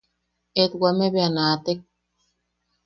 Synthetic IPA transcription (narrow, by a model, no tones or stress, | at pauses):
et̪wameβeanat̪ek̚